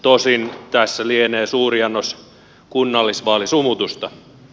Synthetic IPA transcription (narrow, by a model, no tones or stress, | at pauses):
t̪osint̪æsːælieneːsuːriɑnːos | kunːɑlːisʋɑːlisumut̪ust̪ɑ